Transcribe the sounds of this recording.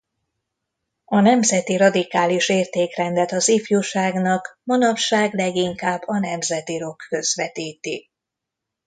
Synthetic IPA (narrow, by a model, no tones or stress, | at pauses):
ɒnɛmzɛt̪iɾɒd̪ikaːliʃeːrt̪eːkrɛnd̪ɛt̪ɒzifjuʃaːɡnɒkmɒnɒpʃaːɡlɛɡiŋkaːbːɒnɛmzɛt̪iɾo̞kːø̞zʋɛt̪iːt̪i